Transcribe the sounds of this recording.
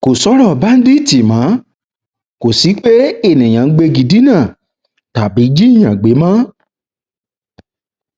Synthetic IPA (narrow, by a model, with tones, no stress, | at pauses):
ko˨sɔ˨˦ɾɔ˦˨ba˨˦n̩˦di˦˨ti˨mã˨˦ | ko˨si˨˦k͡pe˦e˦˨nĩ˨j̃ã˨n̩˦ɡ͡be˧ɡi˧di˨˦nãː˦˨ | ta˨bi˨˦d͡ʒi˦˨j̃ã˨ɡ͡be˨˦mã˦